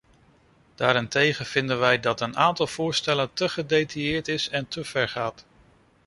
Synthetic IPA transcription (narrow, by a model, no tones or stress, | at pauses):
d̥aːɾɪntejχənv̥ɪndənʋɛjdɑtənaːntɑlˠv̥ʊːɹstɛləntəχədejtajɪːɹtɪsɛntʰəv̥ɛɹχaːt